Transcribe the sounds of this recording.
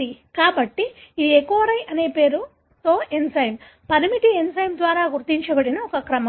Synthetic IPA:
ikaːbɐʈːiːd̪iekːuʋɐɾɐjʔɐne̞ːpe̞ːɾu | t̪oːensɐjm | pɐɾmiʈiensɐjmd̪ʋaːɾaːɡuɾt̪iɲt͡ʃɐbɐɽinɐɔkɐkɾɐmɐ

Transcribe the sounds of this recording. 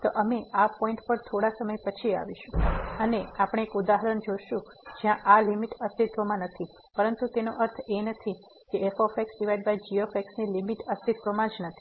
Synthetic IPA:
t̪oʔəmeapɔ̃iɳʈpəɾt̪ʰoɽasəməjpət͡ʃʰia̰ʋiʃũəneapəɽ̃eːkud̪aɦəɾənd͡ʒoʃũ | d͡ʒjãʔalimiʈəst̪it̪ʋəmãnət̪ʰi | pəɾənt̪ut̪enoʔəɾt̪ʰenət̪ʰi | keefofeksɖiʋaiɖ̚bajd͡ʒiofeksnilimiʈəst̪it̪ʋəmãd͡ʒnət̪ʰi̥

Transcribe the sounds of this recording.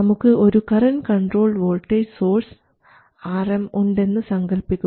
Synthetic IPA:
ɐmukːɨo̞ɾukɐrɐnkɐɳɖro̞ːɭʋo̞ːɭʈːeso̞ːrs | aːrɐmuɳɖe̞nːɨsɐŋɡɐlpikʲːu

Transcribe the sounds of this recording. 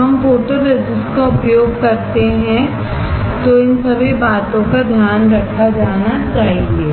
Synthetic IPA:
ɦɐmpoːʈəɾːed͡ʒɪsʈkaʊpjoːɡ̚kɐɾt̪eɦɛ̃ | t̪oɪnsɐbʱibaːt̪õkad̪ʱjaːnɾɐkʰad͡ʒaːnat͡ʃaːɦẽːŋɡeː

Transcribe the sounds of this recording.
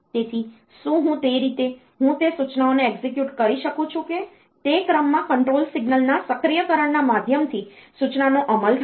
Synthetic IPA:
t̪et̪ʰi | ʃũɦũt̪eɾit̪e | ɦũt̪esut͡ʃnaoneːɡzekjuʈkəɾiʃəkũt͡ʃʰũke | t̪ekɾəmːãkəɳʈɾolsiɡnəlnasəkɾijəkəɾəɳnamad̪ʱjəmt̪ʰisut͡ʃnanoʔəməlɾ

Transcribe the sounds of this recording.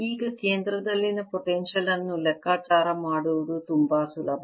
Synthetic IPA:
iːɡɐkeːnd̪ɾɐd̪ɐlːinɨpoʈenʂɐlɐnːulekːaːt͡ʃaːɾɐmaːɽuʋɐðut̪umbaːsulɐbʱɐ

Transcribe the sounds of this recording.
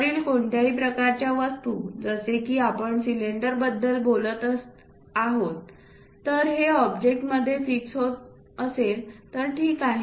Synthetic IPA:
ɾiːlkoɳʈjaɦiːpɾəkaɾt͡ɕjaʋəst̪ud͡zəsekiːapəɳsileɳɖəɾbəd̪ʱːəlbolət̪əs | aɦot̪ː | əɾɦeɔbd͡ʑek̚ʈməd̪ʱːjefiksɦot̪ | əselt̪əɾʈʰiːkːaɦi

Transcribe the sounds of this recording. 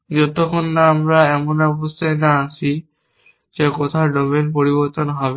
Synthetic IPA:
zɔtɔkɔnːaːmɹaɛmɔnabɔstajnaːsi | zɛkɔt̪ʰaɹdɔmɛnpoɹibɔɹt̪ɔnɦabɛ

